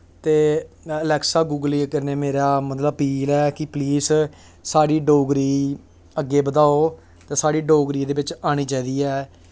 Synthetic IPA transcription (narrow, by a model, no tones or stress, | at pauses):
t̪eː | əlɛːksaːɡuːɡəliːkəɾneːmeːɾaːmət̪ləbpiːlɛːkɪpliːs | saːɽiːɖoːɡɾiː | əɡːeːbəd̪aːoː | t̪eːsaːɽiːɖoːɡɾiːd̪eːʋɪt͡ʃaːɽ̃iːd͡ʒaːid̪iːɛː